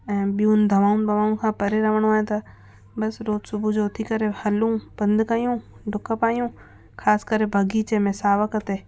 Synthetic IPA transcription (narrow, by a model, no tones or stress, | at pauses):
ɛ̃ːbijũnd̪ʱɐʋaːund̪ʱɐʋaːunkʰãːpɐɾeɾɐʋəɽ̃ũaːẽt̪ɐ | bɐsɾoːd̪sʊbʱud͡ʒoːt̪ʰikɐɾehɐlũːpɐ̃nd̪kɐjũː | ɖʱʊkəpaːjũ | kʰaːskəɾebʱɐɡit͡ʃemẽsaːʋəkɐt̪eː